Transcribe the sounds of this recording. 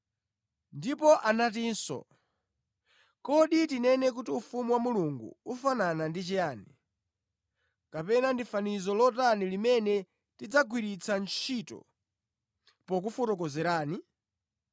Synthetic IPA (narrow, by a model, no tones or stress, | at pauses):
ndipɔʔanatinsɔ̰ | kɔɗitinɛnɛk̬utiufumuwamuluŋɡṵufananandit͡ʃɛjaːni | kapɛnandifanizɔlɔtanilimɛnɛ | tid͡zaɡwiɾit͡sʰant͡ʃʰitɔ̰ | pɔk̬ufɔtɔkɔzɛɾaːni